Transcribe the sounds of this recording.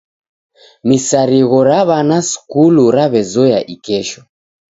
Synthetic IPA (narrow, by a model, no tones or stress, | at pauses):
misaɾiɣɔɾaβanasu̥kuluɾaβɛzɔjaʔikɛʃɔ